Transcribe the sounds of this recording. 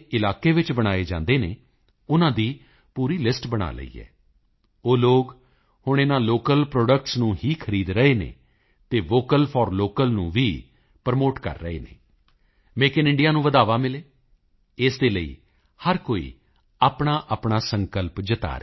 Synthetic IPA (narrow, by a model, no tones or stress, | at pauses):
ɪlaːkeːʋɪt͡ʃbəɽ̃aːeːd͡ʒã̰ːnd̪eːnḛː | ʊnãːd̪iː | puːɾiːlɪsʈbəɽ̃a̰ːlə̰ḭːɛ̰ː | oːloːɡ | hʊɳ̃eːnãːloːkəlpɾoːɖək̚ʈsnũːɦiːkʰəɾiːd̪ɾəeːnḛː | t̪eːʋoːkəlpʰɔːɾloːkəlnũːʋiː | pəɾmoːʈkə̰ɾːə̰ḛːnḛː | meːkɪnɪ̃ɳɖijaːnũːʋəd̪aːʋaːmɪleː | ɪsd̪eːləḭː | həɾkoːḭː | aːpɳaːʔaːpɳaːsəŋkəlpd͡ʒət̪a̰ːɾe